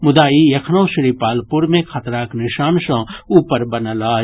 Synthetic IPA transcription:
mʊd̪aːijɐkʰnoːʃɾiːpaːlpuɾmẽkʰɐt̪ɾaːknɪʃaːnʃɐ̃ːuːpəɾbɐnəlaː

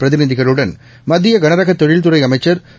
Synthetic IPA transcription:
pɾɐðɪniðɪɣɐɭɯɽɐn | mɐðɪjɐɡɐnɐɾɐɣɐt̪ːɔɻɪɭt̪̬ɯɾɐɪɐmɐɪt͡ʃːɐɾ

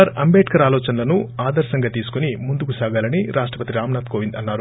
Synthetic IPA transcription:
ɐɾɐmbeːʈkɐɾaːlɔːt͡ʃɐnɐlɐnuaːd̪ɐɾɐsɐŋɡaːt̪iːsu̥kunimund̪ukusaːɡaːlɐniɾʔaːʂʈɾɐpɐt̪iɾaːmnaːt̪koːʋind̪ɐnːaːɾu

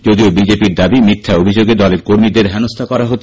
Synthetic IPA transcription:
d͡ʑod̪iobid͡ʑepiɾd̪abimit̪ʰːaobʱid͡ʑoɡed̪ɔleɾkoɾmid̪eɾɦɛnost̪ʰakɔɾaɦot̪

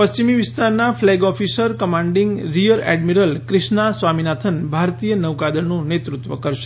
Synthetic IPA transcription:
pəɕt͡ʃimiʋist̪ʰaɾnaflɛɡɔfisəɾkəmãɳɖiŋɡɾijəɾɛ̰ɖmiɾəlkɾɪʃnasʋaminat̪ʰənbʱaɾt̪ijənəʋkad̪ənũnet̪ɾut̪ʋəkəɾʃe̥

